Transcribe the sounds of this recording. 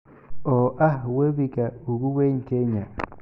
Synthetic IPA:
oʔahwebikauɡuweŋkeɲa

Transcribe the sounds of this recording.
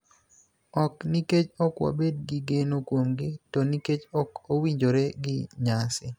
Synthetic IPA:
ɔkniket͡ʃɔkwa̰bed̚ɡɪɡenokwomɡɪtɔniket͡ʃɔkowiɲd͡ʒoɾɛɡɪɲasɪ

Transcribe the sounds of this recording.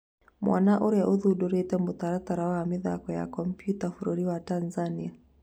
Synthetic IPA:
mwʔa̰naʔuɾja̰ʔuðuɗɔɾɛtɛmbut̪aɾataɾawaamiða̰kɔja̰kɔm̩pjutafuɾuɾiwatanzania

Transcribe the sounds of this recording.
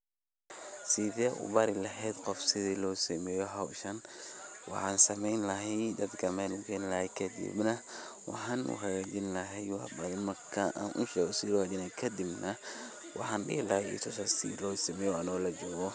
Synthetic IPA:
siðɛʔʊ̰bɐɾɪlɐɦɛːd̪qɔfsɪðiːlɔːsɐmɛːjɔɦɐwʃɐnwɑ̰ħaːnsɐmɛjnlɐɦɛjd̪ɐd̪ɡɐmɛnʊɡɛnlɐhɛkʰɐd̪ḭbnɐ | wɑ̰ħaːnṵhɐɣad͡ʒɪnlɐɦɛjwɑħbɐɾɪmɐkʰaʔa̰nʔʊʃɛɣɔsilɔːhad͡ʒɪnɐkʰɐd̪ɪbnɐ | wɑ̰ħɑːnɗɪhlɐhɛjḭːt̪ʰɔsɐsḭlɔːsɐmɛːjɔɐnɔlɐd͡ʒɔːɣɔ

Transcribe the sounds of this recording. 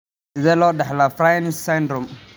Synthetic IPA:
zɛlɔdɛhlafɾajnsɛndɾɔm

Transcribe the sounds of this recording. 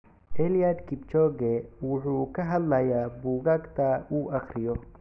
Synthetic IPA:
ʔɛlijad̪kʰɪbt͡ʃɔɡɛwʊħuːkʰɐɦɐd̪lɐjaːbuːɣaːɡt̪ʰɐuːʔɐχrɪjɔ

